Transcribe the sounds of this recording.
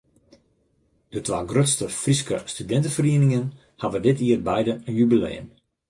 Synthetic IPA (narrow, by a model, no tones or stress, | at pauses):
d̥ətʋaːɡrøtstəfriskəstydɛntəfəriənɪŋən | haʋədɪtʰiərbɛjdəənjybilḛːəm